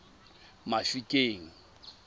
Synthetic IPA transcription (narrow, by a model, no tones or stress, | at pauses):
mafikʼeːŋ̩